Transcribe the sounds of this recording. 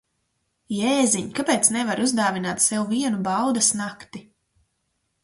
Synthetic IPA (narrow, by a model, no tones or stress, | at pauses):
jɛːziɲkapɛːt̪snɛvaɾuzd̪aːvinaːt̪sɛwviɛnubawd̪ɐsnakt̪i